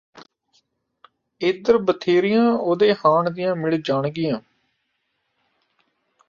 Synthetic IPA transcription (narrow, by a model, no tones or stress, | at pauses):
ɪd̪əɾbət̪ʰeːɾɪjãːoːd̪eːhaːɳd̪ɪjãːmɪɭd͡ʒaːɳɡɪjãː